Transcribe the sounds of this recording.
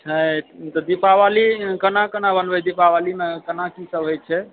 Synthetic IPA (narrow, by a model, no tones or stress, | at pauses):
t͡ʃʰət̪ɔd̪ipaʋalikənakənabənbɛd̪ipaʋalimekənakisəbʱɦojt͡ʃʰɛ